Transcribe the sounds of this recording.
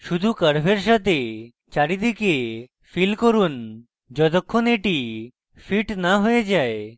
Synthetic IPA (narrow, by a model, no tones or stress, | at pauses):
ʃud̪ʱukəɽbʱeɾʃat̪ʰe | t͡ʃaɽid̪ike | fʰilkoɾun | d͡ʒɔt̪ɔkʰːoneʈi | fʰiʈnaɦojed͡ʒae